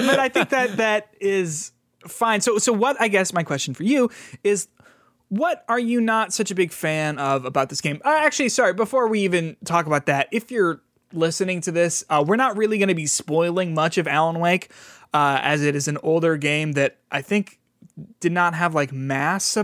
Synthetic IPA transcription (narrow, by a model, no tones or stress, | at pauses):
b̥ʌɾaɪθɪ̃ŋk̚ðɨt̪̚ðɨɾɪz | fãɪ̃nsoʊsoʊwʌɾaɪɡɛsmaɪkʰw̥ɛst͡ʃn̩fə˞jʉɪz | wʌɾə˞jɨnətsʌt͡ʃɨbɪɡ̥fæ̃nʌvəbaʊt̪̚ðɪsɡ̥ẽɪ̃mʌæk̚t͡ʃʉl̩ˠisɑɹibəfɔɹwiivɨ̃ntʰɔkəbaʊt̪̚ðɨɾ̚ɪfjə˞ | lɪsɨnɪ̃ŋtʰɨðɪsʌwɪɹnət̚ɹɪlˠiɡʌñɨbispɔɪlˠɪ̃ŋmʌt͡ʃʌvælˠə̃nweɪk | ʌɨzɨɾɨzɨ̃noʊlˠdə˞ɡẽɪ̃mðɨɾʔaɪθɪ̃ŋk | d̥ɨdⁿnət̚ɦəvlaɪk̚mæsʌ